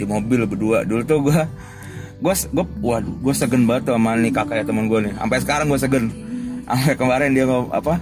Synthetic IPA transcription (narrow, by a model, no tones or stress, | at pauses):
dimobɪlbəduadult̪uɡua | ɡuasɡuawaduɡuasəɡənbat̪uamanikakajat̪amənɡuania̰mpasə̥kaɾaŋɡuasəɡəna̰mpakəmbaɾɛndiaŋaa̰pa